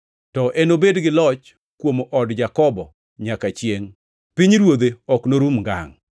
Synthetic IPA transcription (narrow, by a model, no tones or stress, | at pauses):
tɔʔenobedɡɪlɔt͡ʃ | kwomʔɔdd͡ʒakɔbɔ | ɲakat͡ʃjeŋ | piɲɾwod̪eɔknoɾumɡa̰ŋ